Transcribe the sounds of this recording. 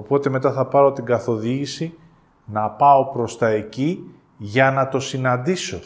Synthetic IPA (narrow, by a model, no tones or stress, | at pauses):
o̞po̞t̪e̞me̞t̪ɐθɐpɐɾo̞t̪iɡɐθo̞ðiʝisi | nɐpɐo̞pɾo̞st̪ɐe̞ci | ʝɐnɐt̪o̞sinɐnd̪iso̞